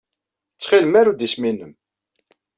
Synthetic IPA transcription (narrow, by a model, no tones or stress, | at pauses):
t͡sːχiləmaɾud̪isminːəm